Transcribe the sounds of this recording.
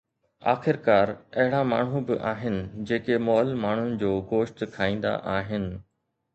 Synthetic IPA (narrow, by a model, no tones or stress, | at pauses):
a̰ːxɪɾkaːɾɐɦɪɽama̰ːɳ̤ũbɪʔaːɦɪnɪ̆d͡ʑeːkemɔːlmaːɳ̤ʊnɪ̆d͡ʑoːɡoːʃʈ̪kʰaːĩːnd̪a̰ʔaːɦɪnɪ̆